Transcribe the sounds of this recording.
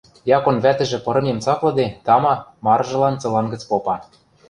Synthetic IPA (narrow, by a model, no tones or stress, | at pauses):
jɑkonβæt̪ɘ̆ʒɘ̆pɤ̆ɾɤ̆memt͡sɑklɤ̆d̪et̪ɑmɑmɑɾʒɤ̆lɑnt͡sɤ̆lɑnɡə̆t͡spopɑ